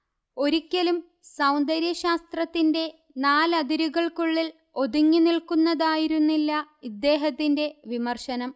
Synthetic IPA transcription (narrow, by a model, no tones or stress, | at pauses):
o̞ɾikʲːɐlum | sɐwnd̪ɐɾjɐɕaːst̪rɐt̪ːinde̞ | naːlɐd̪iɾuɣɐɭkuɭːil | o̞d̪uŋːinilkunːɐðaːjiɾunːilːɐid̪ːe̞ːɦɐt̪ːinde̞ʋimɐrɕɐnɐm